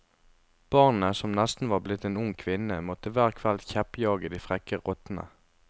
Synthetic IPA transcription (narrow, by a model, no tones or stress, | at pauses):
b̥ɑʁnəsɔmnɛst̪n̩ʋɑːʁblɪt̪eːnʊŋkʰʋɪnəmɔt̪əʋæːʁkʰʋɛld̪çɛpjɑːɡəd̪iːfʁɛkəʁɔt̪n̩ə̰